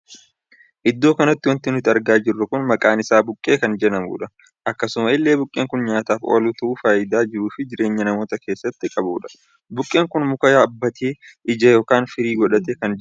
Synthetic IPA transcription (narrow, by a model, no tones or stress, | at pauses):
ʔɪd̪ːo̞ːkɐnɐt̪ːɪwɐnt̪ɪnʊt̪ɪɐɾɡaːd͡ʒɪrːɐkʊnmɐkʼaːnɪsaːbʊkʼːe̞ːkɐnd͡ʒɛnɐmṵːᶑɐ | ʔɐkːɐsʊmɐɪlːe̞ːbʊkʼːeːŋkʊnɲaːt̪aːfo̰ːluːt̪ɐʔuːfaːjɪd̪aːd͡ʒɪɾuːfɪd͡ʒɪɾe̞ːɲːɐnɐmoːt̪ɐke̞ːsːɐt̪ːɪkʼɐbuːᶑɐ̥ | bʊkʼːe̞ːŋkʊnmʊkɐjaːɐbːɐt̪ʰeːʔɪd͡ʒɐjo̞ːkaːnfɪɾiːɡɔᶑɐt̪eːkɐnd͡ʒ